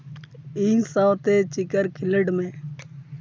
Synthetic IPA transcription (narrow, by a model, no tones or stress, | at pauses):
iːsãwt̪eːt͡ʃɪkəɾkʰɪləɖmẽː